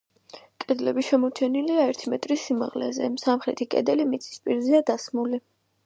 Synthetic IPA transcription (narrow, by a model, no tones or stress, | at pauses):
kʼɛd̪lɛbiʃɛmɔt͡ʃʰɛniliaɛɾt̪ʰimɛt̪ʼɾisːimaʁlɛ̰zɛsamχɾɛt̪ʰikʼɛ̰d̪ɛlimit̪sʰʼi̥spʼiɾziad̪asmuli